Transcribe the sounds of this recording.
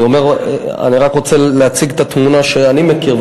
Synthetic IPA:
omeʁa̰niʁakʁo̞t͡seleat͡siɡt̪at̪munaʃeanimekiʁv

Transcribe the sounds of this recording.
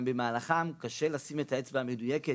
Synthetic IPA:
mbemaːlaχamkaʃelasimetaet͡sbaame̞dujeke

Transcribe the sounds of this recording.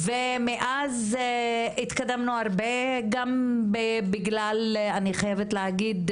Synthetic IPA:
vemeʔaz | it̪kad̪amnuaʁbeɡambebiɡlalaniχajevet̪leaɡid̪

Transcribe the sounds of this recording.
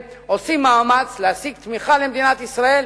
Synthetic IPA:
osimaːmat͡sleasiɡ̚t̪miχalemd̪inat̪isʁae̞l

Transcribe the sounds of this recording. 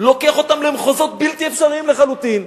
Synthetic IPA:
lo̞keaχot̪amlemχozo̞t̪̚bilt̪iefʃaʁiimleχalut̪in

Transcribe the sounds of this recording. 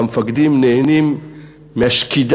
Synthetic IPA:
amfaɡd̪imneenimː | eaʃkʰid̪

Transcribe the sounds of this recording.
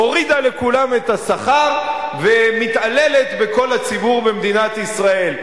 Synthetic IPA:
o̞ʁid̪ale̞kulame̞t̪asaχaʁve̞mit̪ale̞le̞t̪be̞ko̞lat͡sibuʁbe̞md̪inat̪isʁae̞l

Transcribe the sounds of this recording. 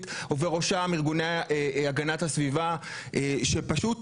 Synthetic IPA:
toveʁo̞ʃamiʁɡuneeaɡanathasviva | ʔeʃepaʃut

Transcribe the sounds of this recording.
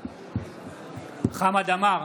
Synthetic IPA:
χamadamaɣ

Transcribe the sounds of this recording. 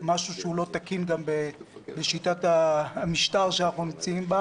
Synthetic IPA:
maʃuʃeulo̞t̪akinɡambebeʃitataːmiʃtaʁʃeanaχnunimt͡saimba

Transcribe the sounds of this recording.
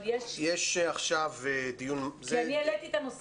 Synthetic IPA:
jejeʃaχʃaved̪ijunzeanielet̪iːt̪anos

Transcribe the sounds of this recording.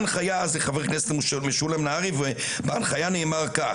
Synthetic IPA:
nχajazeχaveʁknestlmiʃulemnaaʁive | banχajaneːmaʁka

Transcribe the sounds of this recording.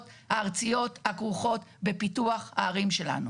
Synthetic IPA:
thaːʁt͡sijo̞thakʁuχo̞tbepituaχha̰ːʁimʃe̞la̰nu

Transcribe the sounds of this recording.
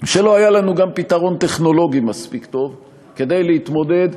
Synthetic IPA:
ʃe̞lo̞ajalanuɡampit̪aʁo̞nt̪e̞χno̞lo̞ɡimaspikt̪o̞v | ke̞d̪ejleit̪mo̞d̪e̞d̪

